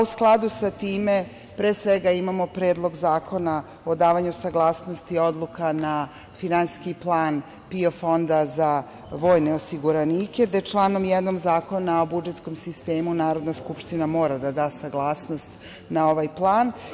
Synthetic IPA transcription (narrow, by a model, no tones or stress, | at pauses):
usklˠad̪usat̪iːme̞ | pɾeːsʋeɡaimamo̞pɾe̞ːd̪lˠo̞ɡzaːko̞na | o̞d̪aːʋaɲusaɡlˠaːsno̞st̪io̞d̪lˠukana | finanskiplˠaːn | pio̞fo̞nd̪aza | ʋo̞ːjne̞osiɡuɾaniːke̞d̪et͡ʃlˠaːno̞mjɛd̪no̞mzaːko̞nao̞bud͡ʒe̞t̪sko̞msist̪eːmunaːɾo̞d̪naskupʃt̪inamo̞ːɾad̪ad̪aːsaɡlˠaːsno̞st̪ | nao̞ʋajplˠaːn